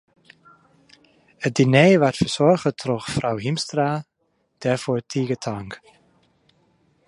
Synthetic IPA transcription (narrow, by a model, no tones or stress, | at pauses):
ət̚dineːʋaɹtfəɹsɔɹχətʰrɔxfrawɦimstraː | d̥ɛɹfoːɹtʰiːɡətʰaŋk